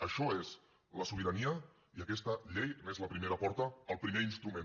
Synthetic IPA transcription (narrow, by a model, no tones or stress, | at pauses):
əʃɔez | ləsuβiɾəniə | iəkɛst̪əʎejnezləpɾimeɾəpɔɾt̪əːlˠpɾimeinst̪ɾumẽn